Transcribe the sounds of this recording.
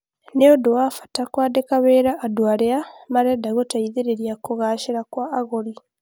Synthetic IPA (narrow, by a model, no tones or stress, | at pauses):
neodowafḁtakwaːdekaβeːɾaʔːdwaːleamaɾedaɣotaiðeɾeɾjakoɣaːʃeɾakwaːɣoli